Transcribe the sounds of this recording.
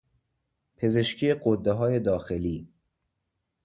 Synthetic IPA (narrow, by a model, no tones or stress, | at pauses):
pʰe̞ze̞ʃcʰiːjeɡod̪ːeɦɒːje̞d̪ɒːxeliː